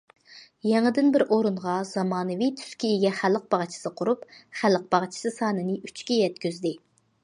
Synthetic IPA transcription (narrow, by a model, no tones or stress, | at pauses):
jɛŋəd̪ɪnbɪɾʔoɾunʁɑz̥ɑmɑːnɨvijt̪ʰy̥skʲieɡʲɛχæləq̚bɑʁt͡ʃʰi̥sɨqʰʊɾupχæləq̚bɑʁt͡ʃʰi̥sɨsɑːnɨnɨyt͡ʃkʲijɛt̪kʲyzd̪ɪ